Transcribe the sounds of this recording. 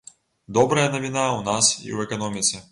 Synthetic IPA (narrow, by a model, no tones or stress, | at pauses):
d̪ɔbɾɐjɐnɐvʲinawnasḭwɛkanɔmʲit̪sʲɛ